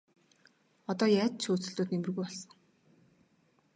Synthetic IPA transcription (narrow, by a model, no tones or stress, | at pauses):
ɔt̪ɔːjæːt̪ʃuːt͡sɵ̆ɮt̪oːt̪nemɘ̆rɣujɔɮsɞ̆ŋ